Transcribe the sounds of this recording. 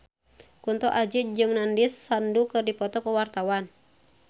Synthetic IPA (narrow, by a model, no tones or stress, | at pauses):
kunt̪ɔʔad͡ʒid͡ʒɨŋnandisːandukɨrdipɔt̪ɔkuwart̪awan